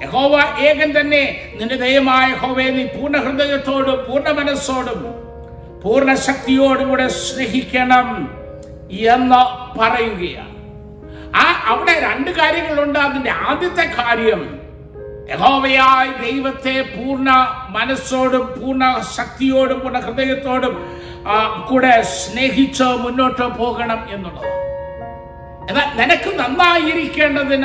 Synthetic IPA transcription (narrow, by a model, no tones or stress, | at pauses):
jeho̞ːʋaːʔeːɣɐnt̪ɐnːe̞ninːud̪ejɐmaːɐjeho̞ːʋeːniːpuːrɳɐhrɨd̪ɐjɐt̪ːo̞ːɽumpuːrɳɐmɐnɐsːo̞ːɽum | puːrɳɐɕɐk̚t̪ijo̞ːɽukuːɽeɕreɦikʲːɐɳɐm | enːɐpɐrɐjuɣɐja̰ː | aʔɐʋiɽe̞ɾeɳɖɨkaːɾjɐŋːɐɭuɳɖaːnindeaːd̪jɐt̪ːekaːɾjɐm̰ | jehoːʋɐjaːjd̪e̞jʋɐt̪ːe̞puːrɳɐmɐnɐso̞ːɽumpuːrɳɐɕɐk̚t̪ijo̞ːɽumpuːrɳɐkrɨd̪ejɐt̪ːo̞ːɽum | kuːɽe̞sne̞ːɦit͡ɕːɨmunːo̞ːʈːɨpo̞ːɣɐɳɐme̞nːuɭːɐ̰ðɨ | ɐðaninɐkʲːɨnɐnːaːjiɾikʲːe̞ːɳɖɐðin